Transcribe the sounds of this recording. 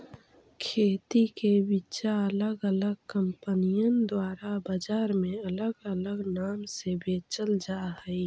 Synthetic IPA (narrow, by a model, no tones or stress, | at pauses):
kʰeːt̪ikebit͡ʃaələɡələɡ̚kə̃mpənijənd̪waːɾabəd͡ʒaːɾmẽɐləɡələɡnaːmsebeːt͡ʃəld͡ʒaːɦəi